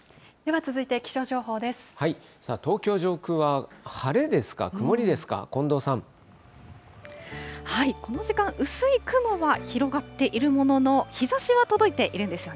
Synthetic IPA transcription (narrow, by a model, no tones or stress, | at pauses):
d̪̥e̞βat͡sɨzɨit̪e̞kʲi̥ɕo̞ːʑo̞ːɦo̞ːd̪e̞sɨ̥hai | saːt̪o̞ːkʲo̞ːʑo̞ːkɯ̟βahaɾe̞d̪e̞sɨ̥ka̰kɯ̟mo̞ɾʲid̪e̞sɨ̥ka̰kõ̞nd̪o̞ːsãɴ | haiko̞no̞ʑikãŋ̃ʔɯ̟sɨikɯ̟mo̞βaçiɾo̞ɡat̪ːe̞ʔiɾɯ̟mo̞no̞no̞çizaɕiβat̪o̞d̪o̞it̪e̞ʔiɾɯ̟nd̪e̞sɨjo̞ne